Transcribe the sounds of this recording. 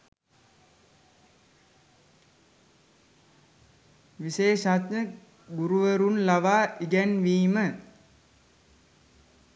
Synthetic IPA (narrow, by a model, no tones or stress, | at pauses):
ʋiseːʃat̪ɲə | ɡuɾuʋəɾunlaʋaːiɡɛnʋiːmə